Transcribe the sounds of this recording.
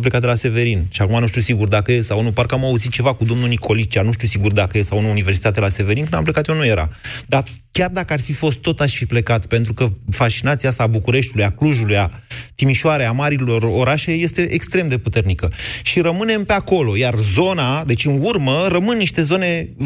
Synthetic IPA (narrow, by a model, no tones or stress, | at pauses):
plekat̪d̪elase̞ve̞ɾinʃiakumanuʃt̪ʲusiɡurd̪akəjesawnuparkəamauzit̪̚t͡ʃe̞vakud̪o̞mnunikʰo̞lit͡ʃanuʃt̪usiɡurd̪akəjessawununive̞rsit̪at̪eelase̞veɾinkɨna̰mplekat̪jonuje̞ɾa̰d̪a | kʲard̪akəarfifo̞st̪ːo̞t̪aʃfiple̞kat̪pe̞nt̪ɾukəfat͡ʃinat̪siasaːbukuɾe̞ʃt̪iulujakluʒulujat̪imiʃoaɾeamaɾilo̞ro̞ɾaʃe̞je̞st̪e̞ʔekst̪ɾe̞md̪e̞put̪e̞rnikəʃiɾəmɨne̞mpe̞ako̞lo̞jarzo̞nad̪e̞t͡ʃʲɨnurməɾəmɨnːiʃt̪e̞zo̞ne̞